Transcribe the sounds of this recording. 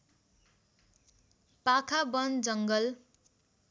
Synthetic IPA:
pakʰabʌnd͡zʌŋɡʌl

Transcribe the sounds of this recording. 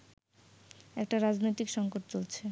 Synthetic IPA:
ɛk̚ʈaɾad͡ʑnojt̪ikʃɔŋkoʈt͡ɕolt͡ɕʰe

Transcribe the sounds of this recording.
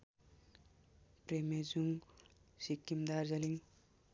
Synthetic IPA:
premed͡zuŋsikːimd̪aɾzʌliŋ

